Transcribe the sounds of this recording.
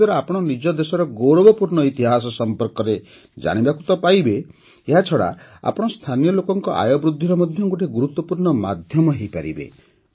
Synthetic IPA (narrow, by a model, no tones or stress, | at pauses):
ɔɾɔapɔɽ̃ɔnid͡ʒɔd̪esɔɾɔɡowɾɔbɔpuɾɳɔit̪iɦas̬ɔsɔmpɔɾkɔɾe | d͡ʒa̰ɽ̃ibakut̪ɔpajbeː | ɦat͡ʃʰɔɽa̰a̰pɔɽ̃ɔst̪ʰanijɔlokɔŋkɔʔa̰jɔbɾud̪ʱːiɾɔmɔd̪ʱjɔŋɡuʈʰeɡuɾut̪ːwɔpuɾɳɔma̰d̪ʱjɔmɔɦejpaɾibḛ